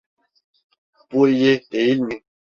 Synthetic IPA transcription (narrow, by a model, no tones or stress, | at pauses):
pujeeilmi